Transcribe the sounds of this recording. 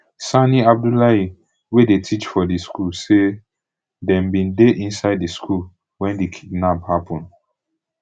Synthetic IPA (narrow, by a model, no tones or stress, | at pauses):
saniab̚dulai | wedetʰit͡ʃfɔdiskulse | dɛ̃mbĩndeʔĩnsaɪdiskʰul | wɛ̃ndikʰidnaphapʰɔ̃nd